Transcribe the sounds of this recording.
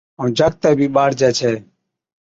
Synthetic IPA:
ə̃ːd͡ʒʱək̚t̪ɛːbʱiːɓaːɾd͡ʒɛːt͡ʃʰeː

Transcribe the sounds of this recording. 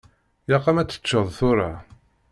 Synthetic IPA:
jɑqːɑmæt͡sːə̥t͡ʃːəðˤθʊɾa

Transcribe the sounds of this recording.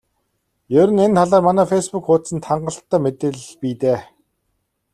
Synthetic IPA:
jɵɾɘ̆nent̪ʰaɮaːrmanæːfespukχʊːt̪sə̆nt̪ʰχaɴɢə̆ɬt̪ːæːmet̪eːɮpiːt̪eː

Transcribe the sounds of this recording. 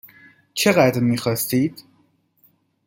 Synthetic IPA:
t͡ʃʰe̞ɣæd̪ɾmiːxɒːst̪iːd̪̥

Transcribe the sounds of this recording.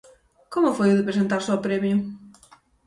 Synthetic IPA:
komʊfojuðɪpɾesent̪aɾsɔpɾɛmjʊ

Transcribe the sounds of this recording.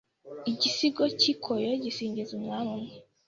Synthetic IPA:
iɟisiɡocikʰojoɟisiːɲɟizumŋaːmumɲe

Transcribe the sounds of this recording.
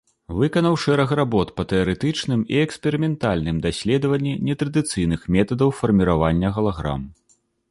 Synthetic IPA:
vɨkɐnɐwʂɛɾɐxrabɔt̪pɐt̪ɛɐɾɛt̪ɨt͡ʂnɨmiɛkspʲɛɾɨmʲɛnt̪alʲnɨmd̪asʲlʲɛd̪ɐvɐnʲːinʲɛt̪ɾɐd̪ɨt̪sɨjnɨxmʲɛt̪ɐd̪ɐwfɐrmʲiɾavanʲːɐɣɐlˠaɣɾa̰m

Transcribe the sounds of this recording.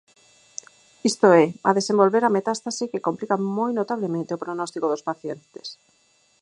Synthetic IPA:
ist̪oɛa̰ðesẽmbolβeɾamet̪ast̪asikekomplikamojnot̪aβlemẽnt̪eopɾonɔst̪ikoðospaθjent̪e̥s

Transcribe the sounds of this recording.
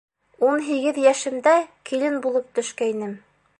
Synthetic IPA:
unɦiɡɘðjæʃɘ̆md̪ækʰilɘnbulˠɤp̚t̪ɵ̆ʃkæinɘm

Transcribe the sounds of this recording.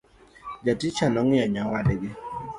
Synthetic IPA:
d͡ʒatɪt͡ʃanɔŋɪaɲawadɛɡɪ

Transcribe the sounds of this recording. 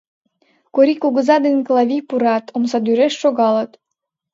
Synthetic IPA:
koɾikuɣə̆zɑd̪enʲklˠɑβʲijpuɾɑt̪ʰoms̬ɑd̪yɾeʃːoɣɑlət̪

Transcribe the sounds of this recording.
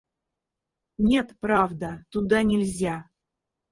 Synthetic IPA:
nʲe̞t̪pɾavd̪ət̪ʊd̪anʲɪlʲzʲa

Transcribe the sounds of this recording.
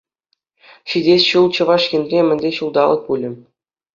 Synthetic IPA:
ɕidʲesʲɕulˠt͡ɕɤ̆ʋɑʂjʲɘ̆nʲrʲemʲɘ̆nʲdʲeɕulˠd̪ɑlˠɤ̆k̚pulʲɘ̆m

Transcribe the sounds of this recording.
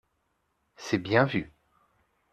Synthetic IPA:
sɛbjɛ̃vy

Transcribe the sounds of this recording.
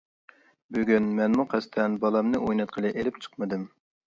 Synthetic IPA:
byɡʲynmɛnmuqʰæst̪ʰɛnbɑlˠɑmnɨʔojnɑt̪̚qʰəlˠɨʔelɪp̚t͡ʃʰə̥qmɨd̪ɨm

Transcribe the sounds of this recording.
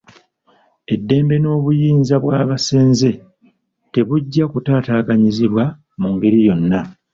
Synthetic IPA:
e̞dːe̞ːmbe̞no̞ːβujiːnzaβwaːβase̞ːnze̞ | te̞βuɟːakutaːtaːɡaɲiziβwa | muŋɡeɾijo̞nːa

